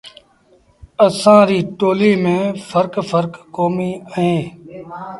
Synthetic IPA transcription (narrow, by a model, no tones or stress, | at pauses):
əsãːɾiːʈoːliːmẽːfʰəɾkfʰəɾkːoːmiːəɦẽː